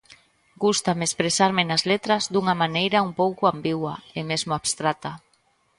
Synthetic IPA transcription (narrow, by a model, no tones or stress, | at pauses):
ɡ̥ust̪amespɾesaɾmɪnazlet̪ɾazd̪uŋamanejɾaumpowkʊambiɣwa̰emezmʊaβst̪ɾat̪a